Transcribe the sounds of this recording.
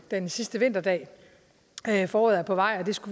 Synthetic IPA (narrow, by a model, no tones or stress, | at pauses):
d̥ensisd̥əʋe̝n̰d̥ɐd̥ɛ̰ː | fɒːðˠæpʰɒ̽ʋɑ̈ɪ̰ɒd̥e̝sɡ̥uʋ